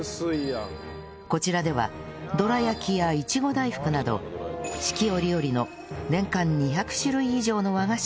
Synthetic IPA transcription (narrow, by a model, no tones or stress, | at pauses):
sɨija | ko̞t͡ɕiɾad̪e̞βa̰ | d̪o̞ɾajakʲʰijait͡ɕiɡo̞d̪aiɸɯ̥kɯ̟nad̪o̞̰ɕi̥kʲio̞ɾʲijo̞ɾʲino̞ | nẽ̞ŋkãɲ̟ːiçakɯ̟̥ɕɨɾɯ̟iːʑo̞ːno̞βaɡaɕ